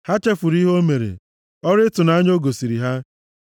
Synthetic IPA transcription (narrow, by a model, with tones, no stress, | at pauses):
ha˦t͡ʃe˦fʊ˨ɾi˦ɦo˦me˨ɾḛ˨ | ɔ˦ɾɪ˦tʊ˨na˦ɲ˦o˦ɡo˨si˨ɾi˨ɦa˦